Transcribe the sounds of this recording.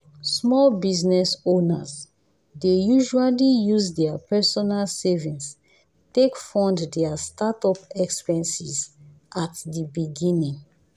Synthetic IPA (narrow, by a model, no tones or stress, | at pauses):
smɔlbiznɛsonaz | dejuʒualijuzdɛapɛsɔnalsɛvĩns | tekfɔ̃nddɛastatɔpɛkspɛ̃nsiz | ʔatdibiɡĩnĩŋ